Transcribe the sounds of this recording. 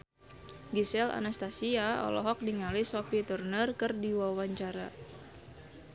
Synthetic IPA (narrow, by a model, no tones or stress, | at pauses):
ɡisɛla̰nast̪asiaɔ̰lɔ̰ɦɔk̚niŋalisɔfit̪urnərkɨrdiwawaɲt͡ʃaɾa̰